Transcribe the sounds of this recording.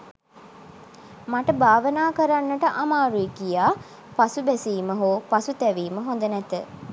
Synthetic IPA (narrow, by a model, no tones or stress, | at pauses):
maʈəbaːʋənaːkəɾanːəʈəʔamaːɾuikijaː | pasubæsiːməɦoːpasut̪ɛʋiːməɦõnd̪ənɛt̪ə